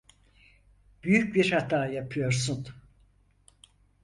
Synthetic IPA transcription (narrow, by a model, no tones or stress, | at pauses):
b̥yjycbiɾhat̪ʰaːjapʰɯjo̞ɾsun